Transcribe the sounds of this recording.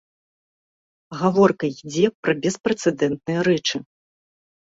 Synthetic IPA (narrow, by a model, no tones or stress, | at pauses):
ɣavɔrkɐid͡zʲɛpɾɐbʲɛspɾɛt̪sɛd̪ɛnt̪̚nɨjɐɾɛt͡ʂɨ